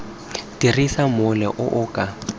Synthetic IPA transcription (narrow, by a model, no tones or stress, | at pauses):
tirisamʊlɛʔʊʔʊkʼa